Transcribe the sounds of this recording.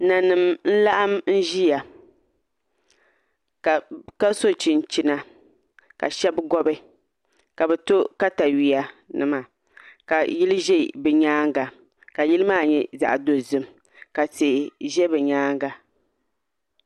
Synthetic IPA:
na˨nɨ˨mn̩˦la˦ʔa˦mn̩˦ʒi˦ja˨ | ka˨ka˦so˦t͡ʃi˨n˨t͡ʃi˨na˨ | ka̰˨ʃɛ˦bɡɔ˦bɨ˦ | ka˨bɛ˨to˦ka˦ta˨ɥi˨a˨nɨ˨ma˨ | ka˨ji˦lɨ˦ʒɛ˦˨bɨ˨ɲaː˦ŋɡa˨ | ka˨ji˦lɨ˦maː˦˨ɲɛ˦za̰˨ʔdo˨zɨ˦m | ka˨te˨ʒɛ˦bɨ˨ɲaː˦ŋɡa˨

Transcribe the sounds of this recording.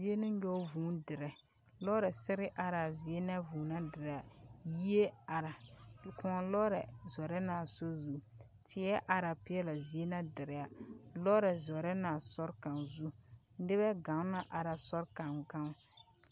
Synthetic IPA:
zi˦e˦nɪ˦ɲɔ˦vuː˨˦ndɪ˨ɾɛ˨ | lɔ˦ɾɛ˨sɪ˦ɾɪ˦ʔa˨ɾa˨zi˨e˦na˦vuː˨na˦dɪ˨ɾa˨ji˦e˦a˨ɾa˨kʊ˨ŋɔ˨lɔː˦ɾɛ˨zɔ˨ɾɛ˦naː˨so˦zu˦ | tʰɪ˨˦ɛ˦ʔa˨ɾa˨pɪ˦ɛ˦la˨zi˦e˦na˦dɪ˨ɾɪ˨a˨lɔ˦ɾɛ˨zɔ˨ɾɛ˦naː˨sɔ˦ɾka˨nzu˦n̩˦dɪ˦bɛ˦ɡa˨˦na˦ʔa˨ɾa˨sɔ˦ɾka˨nɡa˦ŋ˦

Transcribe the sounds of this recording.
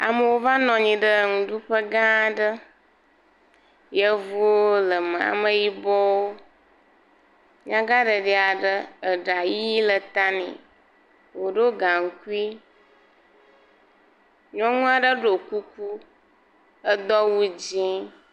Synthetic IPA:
a̰˨mə˨wo˦va˦nɔ̃˨ɲĩ˨ɖə˦˨ŋũ˨ɖu˦ɸə˦ɡã˦˨ɖə˦ | jə˦vu˦woo˦lə˨mə̃˨a̰˨mə˨ji˦bɔ˦wo˦ | ɲã˦ɡa˦ɖə˨ɖi˨˦˨a˨ɖə˦ə˨ɖa˨ji˦lə˨t̪a˦nḭ̃˨ | wo˨ɖo˦ɡã˨ŋ˨ku˦i˦ | ɲɔ̃˦ŋũ˦a˨ɖə˦ɖo˨ku˦ku˦ | ə˦d̪ɔ˦wu˦d͡ʑĩ˦

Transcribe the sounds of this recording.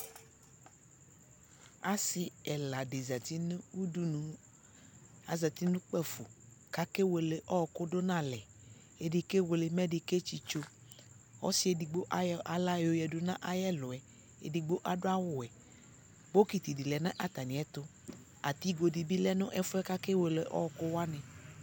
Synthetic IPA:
a˨si˦ɛ˨la˨de˨za˨t̪i˦nũ˦wu˦du˦nũ˦ | a˨za˨t̪i˦nũ˦k͡pɛ˦fo̰˨ | ka˨ke˦we˨le˨ʔɔ˦˨ko˦ɖo˦nã˦lɛ˨ | e˨ɖi˨ke˦we˨le˨mɛ˦ɖe˨ke˦t͡ʃi˦t͡ʃo˦ | ɔ̰˦si˦e˨di˨ɡ͡bo˦ʔa˦ʔa˨la˦jo˨jɛ˨du˦nã˦ʔa˨jɛ˦lʊ˨ɛ˨ | ḛ˨di˨ɡ͡bo˦ʔa˨ɖo˦a˦wʊ˨ɛ˨ | bo˦ki˨t̪i˨di˨lɛ˨nã˦ʔa˨t̪a˨nĩ˨˦ɛ˦t̪ʊ˦ | a˨t̪i˦ɡo˨di˨bi˦lɛ˦nɔ̃˦ʔɛ˦fʊ˦ɛ˦ka˦ke˦we˨le˨ʔɔ̰˦ɔ˨ko˦wa˦nɛ̃˨

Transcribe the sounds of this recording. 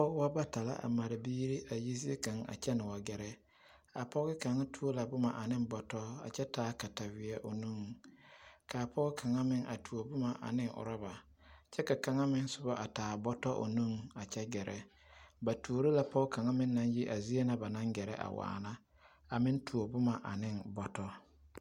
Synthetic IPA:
pɔ˦wa˦ba˦ta˨la̰˦ʔa̰˨ma˨ɾa˨biː˦ɾi˦ʔa˨ji˦zi˦e˦ka˨ŋa̰˨t͡ʃɛ˦nɪ˨wa˨ɡɛ˨ɾɛ˦ | a˨pɔ˦ɣɪ˦ka˨ŋa˦tʰu˦o˦la˨bʊ˦ma˨ʔa˨nɪ˦mbɔ˨tɔ˦a̰˨t͡ʃɛ˦taː˨˦ka˨ta˨wɪ˨ɛ˦ʔo˨nu˦˨ŋ˨kaː˨pʰɔ˦kʰa˨ŋa˦mɪ˦ŋʔa̰˨tu˨o˨bʊ˦ma˨ʔa̰˨nɪ˦ŋʔʊ̰˨ɾɔ˦ba˨ | t͡ʃɛ˦ka˨ka˨ŋa˦mɪ˦nsʊ˨˦bɔ˦ʔa˨taː˨bɔ˦tɔ˦ʔo̰˨nu˦˨ŋa˨t͡ʃɛ˦ɡɛ˨ɾʔɛ˦ | ba˨tʰu˨o˨˦ɾe˦la˦pɔ˦ka˨ŋa˦mɪ˦nː˦a˦nji˦ʔa˨zi˦e˦na˦ba˨na˦ŋɡɛ˨ɾɛ̰˦ʔa̰˨wa̰ː˨na˦ | a˨mɪ̃˦n˦tu˨o˨bʊ˦ma˨ʔa˨nɪ˦nbɔ˨tɔ˦

